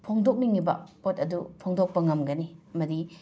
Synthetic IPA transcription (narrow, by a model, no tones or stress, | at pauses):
pʰoŋdok̚niŋibɐ̰potɐdupʰoŋdok̚pɐŋɐmɡɐniɐmɐdi